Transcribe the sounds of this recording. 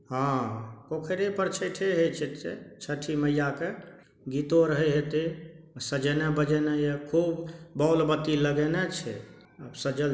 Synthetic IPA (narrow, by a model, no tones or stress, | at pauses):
ɦãkokʰeɾepəɾt͡ʃʰəʈʰeɦet͡ʃʰɛt̪ːḛt͡ʃʰəʈʰiməjake | ɡit̪oɾəɦɛɦet̪e | səd͡ʒɛnɛbəd͡ʒɛnɛjekʰubbɔwlbət̪iləɡenɛt͡ʃʰɛ̰ | əbsəd͡ʒəl